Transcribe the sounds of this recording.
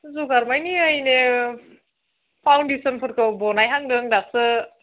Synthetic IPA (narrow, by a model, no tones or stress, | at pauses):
zuɡaɾmajniajne | pʰawndesənpʰɯɾkʰɯwbɔnajɦaŋdɯŋdasɯ